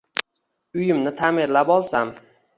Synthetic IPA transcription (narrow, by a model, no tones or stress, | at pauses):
ʊjɪmnɪt̪ʰamɪɾlapɒlˠsam